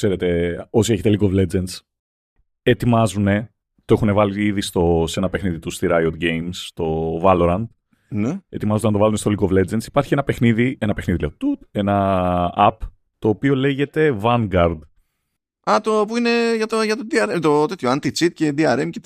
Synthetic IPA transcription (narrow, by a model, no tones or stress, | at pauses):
kse̞ɾe̞t̪e̞o̞sie̞çet̪e̞liɡovle̞d͡zens | et̪imɐzune̞ | t̪o̞exune̞vɐliiðist̪o̞se̞nɐpe̞xniðit̪ust̪iɾɐjod̪ɟejmst̪o̞vɐlo̞ɾɐnd̪ | nee̞t̪imɐzoɐnt̪oɐlunest̪oliɡovle̞d͡ze̞nsi̥pɐɾçinɐpe̞xniðie̞nɐpexniðilet̪ut̪e̞nɐɐp | t̪o̞ːpio̞le̞ʝe̞t̪e̞vɐŋɡɐɾd̪ | ɐt̪opuineʝɐt̪oʝɐt̪od̪iɐɾet̪ot̪et̪çoɐnt̪it͡sit̪̚ced̪iɐɾemce